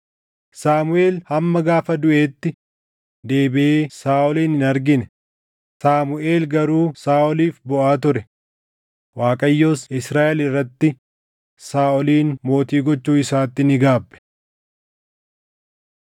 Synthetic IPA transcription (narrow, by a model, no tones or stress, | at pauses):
saːmʊʔe̞ːlhɐmːɐɡaːfɐd̪ʊʔe̞ːt̪ːɪ | d̪e̞ːbɪʔeːsaːʔɔliːnɪnɐɾɡɪnɛ | saːmʊʔe̞ːlɡɐɾuːsaːʔɔliːfbɔʔaːt̪̬ʊɾɛ | waːkʼɐjːo̞ːsɪsɾaːʔɛlɪrːɐt̪ːɪ | saːʔɔliːnmo̞ːt̪iːɡɔt͡ʃːuːɪsaːt̪ːɪnɪɡaːbːɛ̥